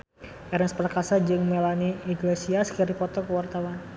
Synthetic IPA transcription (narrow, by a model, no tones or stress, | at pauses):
ʔɛɾɛnspəɾakasad͡ʒɨŋmelaniːɡlesiaskiɾipɔt̪ɔkəwart̪awan